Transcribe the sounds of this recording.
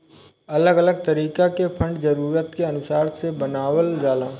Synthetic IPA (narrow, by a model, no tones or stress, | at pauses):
ɐləɡələɡ̚t̪ɐɾiːkakepʰɐ̃ɳɖzɐɾuːɾət̪keɐnʊsaːɾsebɐnaːwəld͡ʒaːlãː